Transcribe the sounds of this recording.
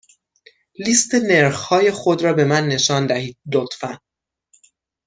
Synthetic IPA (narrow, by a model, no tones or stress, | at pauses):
liːst̪ʰeneɾxhɒːje̞xod̪ɾɒːbe̞mænːe̞ʃɒːnd̪æhiːd̪̥̚lot̪fæn